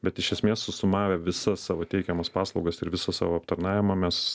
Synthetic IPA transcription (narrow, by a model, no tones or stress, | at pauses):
bʲɛt̪ɪʃʲɛsʲmʲeːsːʊsʊmɑːʋʲɛʋʲɪsɐssɑːʋoːt̪ʲɛɪkʲɛmɐspɑːslˠɒʊɡɐsɪɾʋʲɪsɐsɑ̰ːʋoːɐpt̪ɐɾnɑːʋʲɪmɐmʲɛs